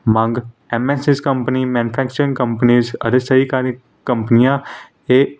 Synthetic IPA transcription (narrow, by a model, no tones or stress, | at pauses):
mə̃ŋɡ | ɛmɛsiskɐ̃mpənimɛ̃nʊfʰækt͡ʃəɾɪ̃ŋkɐ̃mpəniːzɐ̰ɾesɐikaːɾi | kːɐ̃mpənijã | e